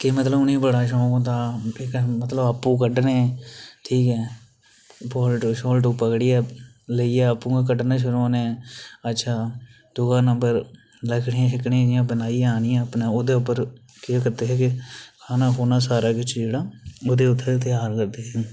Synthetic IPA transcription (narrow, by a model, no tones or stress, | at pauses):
kɪmət̪ləbʊnẽːbəɽaːʃ̬ɔ̃ːkõːt̪ãːɪkmət̪ləbaːpːũːk̬əɖnẽːʈʰiːkɛː | pɔːlʈːʃɔːlʈ̬opəkɽɪjaː | ləiːɛːəpːũːɡakəɖnãːʃ̬ʊɾoːnẽːətːʃʰaː | d̪̥ʊɡãːnəmbəɾ | ləkʰɽeːãːʃɪkɳed͡ʒɪjãːbənaːijaːnɪjãːəpnãːoːd̪eːʊpːəɾ | kɪakəɾd̪eːɦɛːkɪkʰaːnãːɦoːnaːsaːɾaːkɪt͡ʃʰd͡ʒeːɽaːoːd̪eːʊt̪ʰːet̪ɪaːɾkəɾd̪eːɦɛː